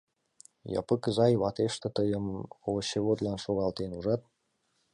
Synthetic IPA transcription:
jɑ̰pəkəzɑjβɑt̪eʃt̪ə̆t̪əjəmoɕeβod̪lɑnʃoɣɑlt̪enuʒɑt̪̚

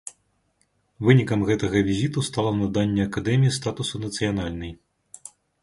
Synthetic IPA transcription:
vɨnʲikɐmɣɛt̪ɐɣɐvʲizʲit̪ust̪alˠɐnɐd̪anʲːɛɐkad̪ɛmʲijist̪at̪usunɐt̪sɨjanalʲnɨj

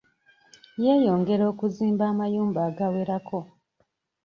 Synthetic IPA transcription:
je̞ːjo̞ːŋɡe̞ɾo̞ːkuziːmbaːmajuːmbaːɡawe̞ɾakʰo̞

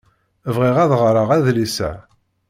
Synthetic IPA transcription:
əvʁiʁæðʁɾˤəʁæðlisæ̰

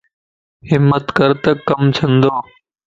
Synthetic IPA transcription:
ɦɪmːət̪kəɾt̪əkːəmt͡ʃʰə̃nd̪oː

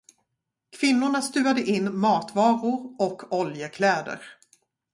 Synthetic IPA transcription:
kʰv̥ɪnːʊɳast̪ʉ̟ːad̪əʔɪnːmɑːt̪vɑːɾʊɾɔkʰːɔljəkʰlɛːd̪ə̰ɾ

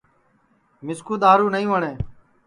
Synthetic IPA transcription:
mɪskuːd̪aːɾuːnəĩʋəɳeː

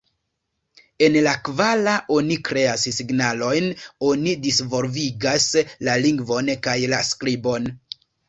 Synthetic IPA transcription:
e̞nlakvalaʔo̞nikɾe̞assiɡnalo̞jno̞nidisvo̞lviɡaslaliŋɡvo̞nkajlaskɾibo̞n

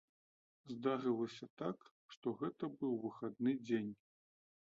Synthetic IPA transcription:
zd̪aɾɨlˠɐsʲɐt̪ak | ʂt̪ɔɣɛt̪ɐbɨwvɨxad̪nɨd͡zʲenʲ

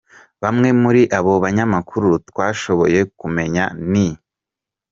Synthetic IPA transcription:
βamŋe̞muɾiʔaβo̞βaɲamakuɾutwaːʃo̞βo̞̰je̞kume̞ɲani

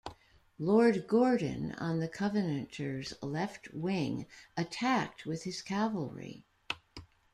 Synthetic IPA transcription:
lɔɹd̚ɡɔɹd̃ⁿn̩ə̰̃nðɨkʰʌvɨnɨ̃ntʰə˞zlɛft̚ʰwɪ̃ŋɨtʰæk̚t̚wɨð̥ɨz̥kʰævl̩ˠɹḭ

